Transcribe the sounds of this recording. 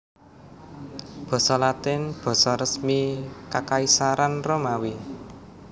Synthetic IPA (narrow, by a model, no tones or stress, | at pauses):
b̥ɔ̤sɔlat̪ɪnb̥ɔ̤sɔrəsmikakaisaɾanromawi